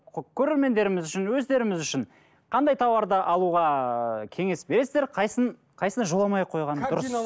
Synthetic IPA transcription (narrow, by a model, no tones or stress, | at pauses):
kʲʰɵɾe̞ɾme̞nd̪e̞ɾɪmɪzʏʃɪnwɵzd̪e̞ɾɪmɪzʏʃɪn | qʰɑnd̪ɑjt̪ʰɑwɑɾd̪əʔɑlˠuʁɑkʲʰe̞ŋe̞sbe̞ɾe̞sɪzd̪eɾqʰɑjsən | qʰɑjsənʒolˠɑmɑjqʰo̞jʁɑnʊɾəs